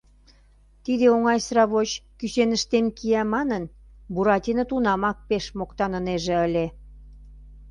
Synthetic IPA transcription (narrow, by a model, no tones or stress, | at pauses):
t̪id̪eoŋɑjsɾɑβot͡ɕkysenəʃt̪emkiæmɑnən | buɾɑt̪ʲinət̪unɑmɑk̚peʃmokt̪ɑnəneʒĕəlʲe